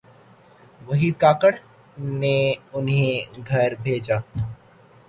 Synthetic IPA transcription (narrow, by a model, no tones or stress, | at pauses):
ʋɐɦiːd̪̚kaːkəɽ | neʊnɦẽɡʱɐɾbʱeːd͡ʒaː